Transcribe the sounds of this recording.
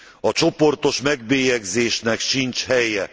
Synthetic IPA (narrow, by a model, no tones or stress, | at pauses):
ɒt͡ʃo̞po̞rt̪o̞ʃmɛɡbeːjɛɡzeːʃnɛkʃint͡ʃhɛjɛ